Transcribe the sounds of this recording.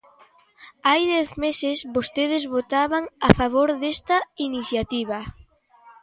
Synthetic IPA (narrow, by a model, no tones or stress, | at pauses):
ajðɛθmesesβost̪eð̞ezβot̪aβaŋafaβ̞oɾðest̪ɐiniθjat̪iβ̞ɐ